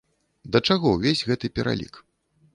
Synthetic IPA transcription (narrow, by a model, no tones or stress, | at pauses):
d̪ɐt͡ʂaɣɔwvʲezʲɣɛt̪ɨpʲɛɾa̰lʲḭk